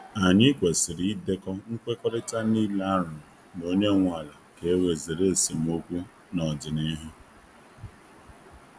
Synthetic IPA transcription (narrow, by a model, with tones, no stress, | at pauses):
a˨ɲɪ˦kʷe˨sɪ˨ɾi˦de˦kɔ˦ŋ̩˦kʷe˦kɔ˦ɾɪ˦ta˦ni˦la˦ɾʊ˨no˦ɲe˦˨ŋʷ˦a˨la˨ke˨˦we˨ze˨ɾe˦˨si˨m˦o˦kʷu˦ | nɔ˨dɪ˨ni˦ɦʊ˦